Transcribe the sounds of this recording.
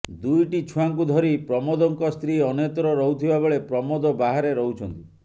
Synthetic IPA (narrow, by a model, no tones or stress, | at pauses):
d̪ujʈit͡ʃʰuaŋk̬ud̪ʱɔɾipɾɔmɔd̪ɔŋkɔst̪ɾiɔnjɔt̪ɔɾɔɾɔɦut̪ʰibabeɭepɾɔmɔd̪ɔbaɦaɾeɾɔɦut͡ʃʰɔnt̪i